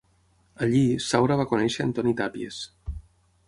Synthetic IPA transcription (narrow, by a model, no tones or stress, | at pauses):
əʎisawɾaβ̞akunɛʃəənt̪ɔnit̪apiḛs